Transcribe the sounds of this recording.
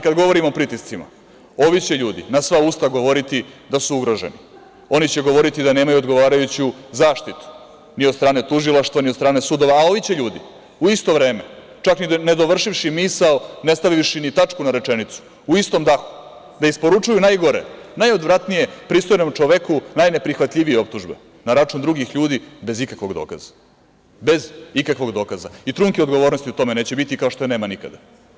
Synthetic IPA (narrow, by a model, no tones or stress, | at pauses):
kad̪ɡo̞ʋo̞ɾimopɾit̪ist̪sima̰ | o̞ʋit͡ɕe̞ʎuːd̪ḭnasʋaust̪aɡo̞ʋo̞ɾit̪id̪asuuɡɾo̞ʒḛnḭ | o̞nit͡ɕe̞ɡo̞ʋo̞ɾit̪id̪ane̞ːmajuod̪ɡo̞ʋaːɾajut͡ɕuzaːʃt̪it̪u̥ | niod̪st̪ɾaːne̞t̪uʒilˠaʃt̪ʋaniod̪st̪ɾaːne̞sud̪o̞ʋaːo̞ʋit͡ɕe̞ʎuːd̪ḭ | uist̪o̞ʋɾe̞ːme̞̰ | t͡ʃaknine̞d̪o̞ʋr̩ʃiʋʃimisaone̞st̪aʋiʃinit̪at͡ʂkunaɾe̞t͡ʂenit̪su̥ | uist̪o̞md̪axu̥ | d̪aispo̞ɾut͡ʂujunajɡo̞ɾḛnajo̞d̪ʋɾat̪nije̞pɾist̪o̞jno̞mt͡ʂoʋekunajne̞pɾixʋat̪lʎʲiʋijeo̞p̚t̪uʒbḛ | naɾat͡ʂund̪ɾuɡixʎuːd̪ibe̞zikakʋo̞ɡd̪o̞̰ːka̰zḁ | be̞zikakʋo̞ɡd̪o̞ːkazait̪ɾuŋkio̞d̪ɡoʋo̞ːɾnost̪iut̪o̞mene̞ːt͡ɕebit̪ikao̞ʃt̪ojne̞ːmanika̰d̪a